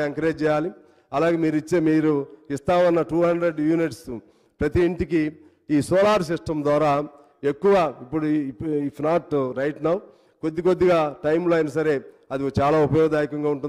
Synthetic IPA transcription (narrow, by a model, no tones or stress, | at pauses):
ɐŋkɐɾeːd͡ʒt͡ʃɛːjaːli | ɐlaːɡeːmiːɾuit͡ʃːeːmiːɾuist̪aːʋɐnːɐʈuːɦɐɳɖɾe̞ɖjuːniʈs | pɾɐt̪iːɳʈik̬i | iːsɔːlaːɾs̬iʂʈɐmd̪ʋaːɾaː | e̞kːuʋaːipːuɽuipʰnaːʈɾɐjʈnaw | kod̪ːiko̞d̪ːiɡaːʈɐjmloːaːjinɐsɐɾe̞ːɐd̪it͡ʃaːlaːupɐjɔːɡɐd̪aːjikɐŋɡaːuɳʈun